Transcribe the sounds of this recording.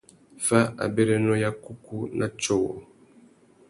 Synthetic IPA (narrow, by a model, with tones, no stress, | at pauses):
fa˦a̰˨bɛ˦ɾɛ˦nɔ˦ja˦ku˦ku˦nʔa˦t͡ʃɔ˦˨wɔ̰˨